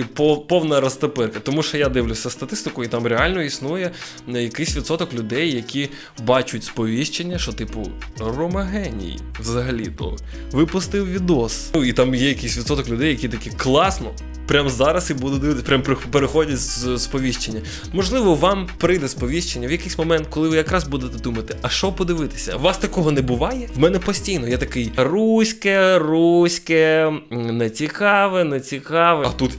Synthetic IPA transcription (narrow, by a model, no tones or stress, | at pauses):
ipɔpɔwnɐɾɐst̪ɐpɪrkɐt̪ɔmuʃɔjad̪ɪʋlʲʊsʲɐst̪ɐt̪ɪst̪ɪkʊit̪amɾeɑlʲnɔisnujɛ | jɐkɪsʲʋʲid̪sɔt̪ɔklʲʊd̪ɛjːɐkʲi | bɑt͡ʃʊtʲspɔʋʲiʃt͡ʃenʲːɐʃɔt̪ɪpʊ̰rɔmɐɦɛnʲḭjḭʋzɐɦɐlʲḭt̪ɔ̰ | ʋɪpʊst̪ɪwʋʲid̪ɔsuit̪ɑmjɛjɐkɪsʲʋʲid̪sɔt̪ɔklʲʊd̪ɛjɐkʲit̪ɐkʲiklˠɑsnɔ | pɾʲamzɑɾɐsibud̪ɛd̪ɪʋɪt̪pɾʲampɾɪpeɾexɔdʲɐzspɔʋʲiʃt͡ʃenʲːɐ | mɔʒlˠɪʋɔʋɑmpɾɪjd̪ɛspɔʋʲiʃt͡ʃenʲːɐʋjɐkɪsʲmɔmɛnt̪̚kɔlˠɪʋɪjɐkɾɑzbud̪et̪ɛd̪umɐt̪ɪɐʃt͡ʃɔpɔd̪ɪʋɪt̪ɪ̥sʲɐ̰ʋɑst̪ɐkɔɦɔnɛbʊʋɑjɛʋmɛnɛpɔsʲtʲijnɔjɛt̪ɐkɪjrusʲkɛrusʲkɛ | nɛt͡sʲikɑʋɛnɛt͡sʲikɑʋɛɐt̪ut̪